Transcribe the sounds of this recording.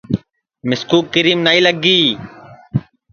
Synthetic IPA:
mɪskuːkːɪɾiːmnaiːləɡiː

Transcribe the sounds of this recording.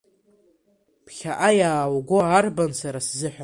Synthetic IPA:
pʰχʲaʔajaːwɡʷoaːrbansaɾaszɨħʷᶣa

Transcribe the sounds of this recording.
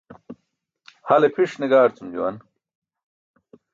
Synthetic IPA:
hɐlepʰiʂniɡaːɾt͡sumd͡ʑuwɐ̰n

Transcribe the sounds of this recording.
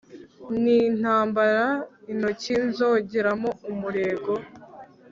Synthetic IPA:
nin̥haːmbaɾaino̞cinzoɟeɾamoumuɾe̞ːɡo̞

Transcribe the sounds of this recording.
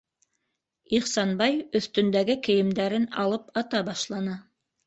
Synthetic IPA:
iχsɑnbɑjɵ̆θt̪ɵ̆nd̪æɡɘkɘ̆jɘ̆md̪æɾɘnɑlˠɤpɑt̪ɑbɑʃlˠɑnɤ

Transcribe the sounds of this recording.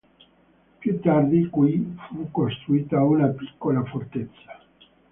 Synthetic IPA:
pjut̪ːard̪ikwifukːost̪ɾuiːt̪aunapi̥kːolafort̪et̪sːḁ

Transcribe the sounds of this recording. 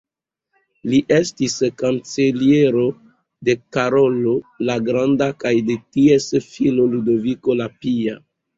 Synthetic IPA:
liʔe̞stiskant͡selie̞ɾo̞ | de̞kaɾo̞lolaɡɾandakajde̞tie̞sfiloludo̞viko̞lapia

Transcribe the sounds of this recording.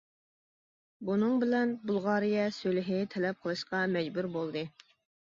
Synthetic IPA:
bunɨŋbɪlɛnbulˠʁɑːɾɨjɛsølɪɦɪt̪ʰɛlɛp̚qʰəlˠɨʃqɑmɛd͡ʒbuɾbolˠd̪ɨ

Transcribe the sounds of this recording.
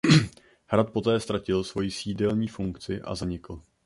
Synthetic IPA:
hɾat̪̚po̞t̪ɛːst̪ɾacɪlsvo̞jisiːdɛlɲiːfuŋkt͡sɪʔa̰zaɲɪkl̩

